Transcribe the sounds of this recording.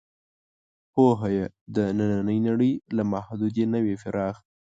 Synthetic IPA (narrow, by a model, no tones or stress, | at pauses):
poɦajed̪ənananəjnaɽəjlamahd̪ud̪jenəwefɪɾʔɑx